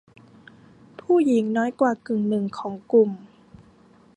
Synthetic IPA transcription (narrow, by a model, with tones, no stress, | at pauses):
pʰuː˥˩ji˩˦ŋnɔː˦˥jkwaː˨˩kɯ˨˩ŋnɯ˨˩ŋkʰɔː˩˦ŋku˨˩m